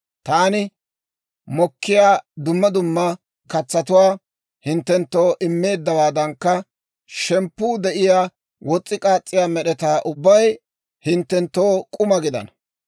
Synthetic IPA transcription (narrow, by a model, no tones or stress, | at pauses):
t̪aːnɪ | mɔkːɪjaːd̪ʊmːɐd̪ʊmːɐ | kɐt͡sːɐt̪ʊwaː | hɪnt̪ːɛnt̪ːoːʔɪmːe̞ːd̪ːɐwaːd̪ɐŋkːɐ | ʃɛmpːuːd̪ɛʔɪjaː | wɔt͡sʼːɪkʼaːt͡sʼːɪjaːmɛɗɛt̪aːʔʊbːɐj | hɪnt̪ːɛnt̪ːo̞ːkʼʊmɐɡɪd̪ɐ̰n